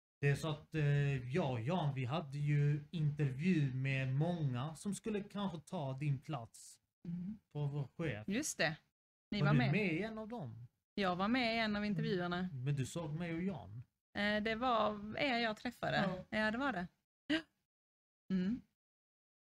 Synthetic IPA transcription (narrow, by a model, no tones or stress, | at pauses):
d̪̥ɛæsɔat̪jɑːjɑnvɪɦad̪ːəjɵɪnt̪əɾvjʉ̟ːmɛmɔŋːasɔmskɵlːəkʰanɧət̪ʰɑːd̪ɪnpʰla̰t̪s | fɔɾvoːɾɧeːfjɵst̪ɛ | nɪavaɾdmɛmɛɪɛnːavd̪ɔm | jɑːɡvaɾmɛɪɛnːavɪnt̪əɾvjʉ̟ːəɳamɛnd̪ɵsoːɡmɛjɔjɑ̰ːn | d̪ɛvaɾɛjɑːɡt̪ʰɾɛfːad̪əjɑːd̪ɛvaɖɛ | m̩